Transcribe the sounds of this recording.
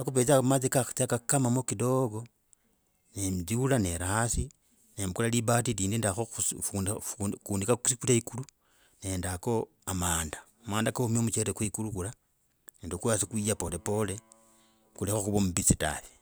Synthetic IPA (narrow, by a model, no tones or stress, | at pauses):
akupet͡samat͡sikaxt͡sakakamamokidoɡo̞ | nemzulane̞ɾaasi | nemkulaliβatiliːndindaxouf | kuːndikasikutaikulu | ne̞ndako̞ | amaːnda | maːndakaumiomut͡ʃeɾekweikulukula | neːndokuasikwijapole̞po̞le | kulexoxuβomubit͡sita̰θi̥